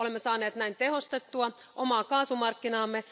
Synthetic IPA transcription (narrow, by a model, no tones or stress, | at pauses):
olemːesɑːneːt̪næint̪e̞ɦo̞st̪e̞t̪ːuɑ | ʔomɑːkɑːsumɑrkːinɑːmːe